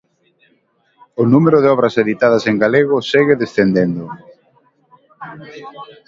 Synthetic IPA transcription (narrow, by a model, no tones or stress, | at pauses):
ʊnumeɾʊðɪɔβ̞ɾɐseðit̪að̞ɐseŋɡaleɣ̞ʊseɣɪðesθend̪end̪ʊ